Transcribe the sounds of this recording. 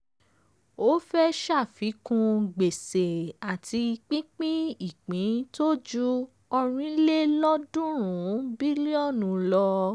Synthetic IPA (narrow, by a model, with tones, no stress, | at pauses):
o˦fɛ˦ʃa˦˨fi˨˦kũ˧ɡ͡be˨se˨a˨tʰi˧k͡pĩ˦k͡pĩ˦i˨k͡pĩ˨˦to˦d͡ʒu˦ | ɔ˧ɾ̃ĩ˧˦le˦lɔ˦dũ˦ɾ̃ũ˨˦bi˦li˦ɔ˦˨nũ˨˧˦lɔ˧